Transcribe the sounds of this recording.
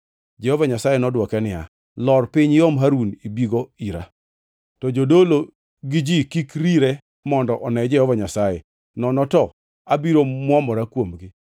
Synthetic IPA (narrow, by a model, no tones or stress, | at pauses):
d͡ʒɛhɔvaɲasajɛnɔdwɔkɛnɪa̰ | lɔrpɪɲjɔmɦaɾunibiɡoiɾa̰ | tɔd͡ʒodolo | ɡɪd͡ʒikikɾiɾɛ | mɔndɔʔɔnɛd͡ʒɛhɔvaɲasajɛ | nɔnɔtɔ | abiɾomwamɔɾakwomɡɪ